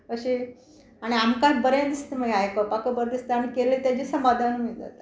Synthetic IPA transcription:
əɕi | aɽ̃iamkãtbəɾẽd̪ist̪məɡajkəpakəbəɾd̪ist̪aɽ̃ikelet̪jad͡ʑisəmad̪ʱanmid͡za̰t̪

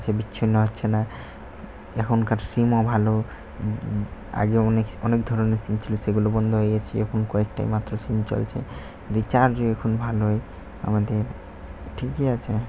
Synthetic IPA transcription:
t͡ɕʰebiːinːoɦotːɕʰena | ɛkʰonkaɾsimɔbʱalo | a̰ɡeɔnekɔnekd̪ʱɔɾoneɾsimt͡ɕʰiloseɡulobɔnd̪ʱoɦojet͡ɕʰiɛkʰonkɔek̚ʈa̰jmat̪ːɾosint͡ɕo̰lt͡ɕʰḛ | ɾit͡ɕaɾd͡ʑoɛkʰonbʱalɦoj | a̰mad̪eɾ | ʈʰikeat͡ɕʰe

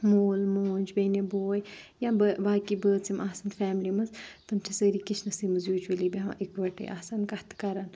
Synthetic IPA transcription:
moːlmoːnʲd͡ʒbɐːneboːjjabəbaːkibəːt͡simaːsɐnfɛːmlimɐzt̪ɐmt͡ʃʰisəːɾikit͡ʃʰnɐsiːmɨzjuːd͡ʒwəliːbiɦã̰ʔikʋɐʈə̰jʔa̰ːsankɐht̪ʰkɐɾan

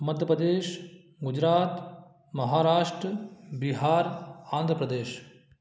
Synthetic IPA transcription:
mɐd̪ʱjəpɾəd̪eːʃ | ɡud͡ʑɾaːt̪ | mɐɦaːɾaːʂʈɾəbiɦaːɾãːnd̪ʱɾəpɾəd̪eːʃ

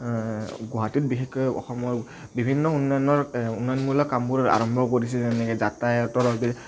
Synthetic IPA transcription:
ɡɔɦatit̚bixɛkːɔjɔ̰xɔmɔɹ | bibʱinːɔunːajnɔɹunːɔjɔnmulɔkambuɹa̰ɹɔmbʱɔkoɹis̬ɛzɛnɛkɛdatajɔtɔɹɔbi

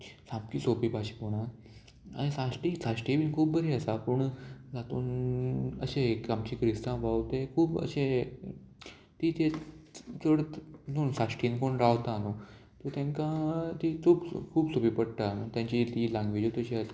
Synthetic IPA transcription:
sãpkiːsopipaɕi̥poɽ̃ã | a̰ɽ̃isãsʈiːsaɕʈiʋiːnkʰuːbbəɾiəsapəɳd͡zat̪ṵːn | ə̰ɕẽkamt͡ɕiːkɾist̪ãʋawt̪ekʰuːbə̰ɕẽ | t̪it̪ʰe | t͡səɽt̪uːnsasʈinkoɳɾaʋt̪ano | t̪ət̪jãŋkat̪iːkʰuːbkʰuːbsopiːpəɽt̪anət̪jãɲt͡ɕit̪ilãŋɡʋed͡ʑot̪əɕea

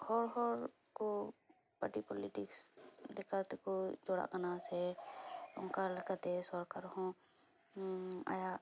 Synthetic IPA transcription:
hɔɾɦɔɾ | kɔ | paʈipɔliʈikslɛkat̪ɛkɔd͡ʒɔɽa̰ʔkanasɛ | ʊŋkalɛkət̪ɛsɔɾkaɾhɔ̃ | a̰ja

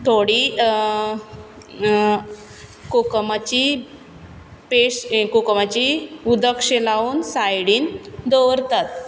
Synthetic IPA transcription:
t̪ʰoɽi | kokəmat͡ɕi | peɕkokəmat͡ɕiud̪əkʂelauːnsajɽiːnd̪oʋəɾt̪at̪̚

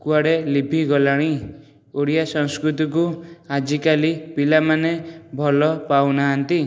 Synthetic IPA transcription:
kuaɽelibʰʱiɡɔlaɽ̃i | oɽijasɔŋskɾut̪ɔkuad͡ʒikalipilamanebʱɔlɔpawnaɦant̪i

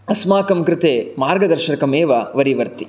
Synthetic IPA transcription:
ɐsmaːkɐmkɾɪt̪eːmaːɾɡɐd̪ɐɾʃɐɾɐkɐmeːʋɐʋɐɾiʋɐɾt̪i̥

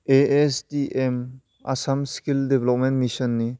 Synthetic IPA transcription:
eesdiʔem | a̰samskildebelɔp̚mɛntmisɔnːi

